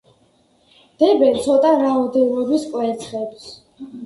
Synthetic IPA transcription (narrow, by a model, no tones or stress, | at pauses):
d̪̥ɛbɛnt̪sʰɔt̪ʼaɾaɔd̪ɛlɔbiskʼwɛt̪sʰχɛbs